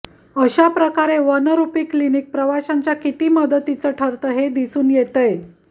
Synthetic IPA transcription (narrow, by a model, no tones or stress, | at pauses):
əɕapɾəkaɾeʋənəɾupiːklinik̚pɾəʋaɕaɲt͡ɕjakit̪iːməd̪ət̪ːit͡səʈʰəɾt̪əɦed̪isuːnjet̪əj